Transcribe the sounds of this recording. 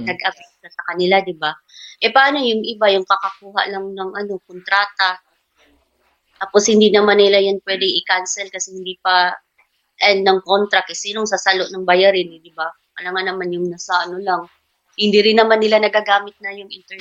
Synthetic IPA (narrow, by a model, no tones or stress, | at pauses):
nɐɡ̚ʔɐpɛk̚tɐsɐkɐnɪlad̪ɪba | ʔɛpɐʔaːno̞jʊŋʔɪbajʊŋkɐkɐkuːɦa̰ʔlɐŋnɐŋʔɐno̞kont̪ɾaːt̪a | t̪aːpo̞shɪnd̪inɐmanːɪlajanpwɛd̪ɪŋɪkansɛlkɐsɛhɪnd̪ipɐ | ʔɛnnɐŋko̞nt̪ɾɐkɛsiːnoŋsasaloʔnɐŋbɐjɐɾɪnɛd̪ɪba | ɐlɐŋanɐmanjʊŋnɐsɐʔɐnolaŋ | hɪnd̪iɾɪnːɐmanːɪlanɐɡaːɡaːmɪt̪̚nɐjʊŋʔɪnt̪ɛ